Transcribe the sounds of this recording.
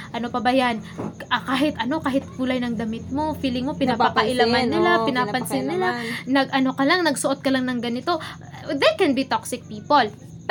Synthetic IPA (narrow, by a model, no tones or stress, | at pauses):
ʔɐno̞pɐbɐjanʔɐkaːɦɪt̪ʔɐno̞kaːɦɪt̪̚buːlɐjnɐŋd̪ɐmɪt̪̚mo̞fiːlɪŋmo̞pɪnapɐkɐʔɪlamanːɪlapɪnaːpɐnsɪnːɪlanɐɡʔɐno̞kɐlaŋnɐɡsoʔot̪̚kɐlɐŋnɐŋɡɐnɪt̪o̞ | d̪ɛkɛnbit̪oksɪk̚piːpol